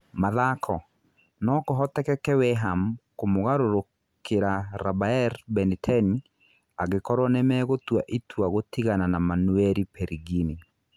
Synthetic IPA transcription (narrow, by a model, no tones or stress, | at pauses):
maðakʰɔ | nɔkoɦɔtɛkɛkɛwɛɦamkomoɣaɾoɾo | kʰeɾaɾabaɛɾbɛnitʰani | aɣekɔɾwɔnɛmɛːɣotwaʔitwaɣotiɣananamanwɛɾipɛɾiɡini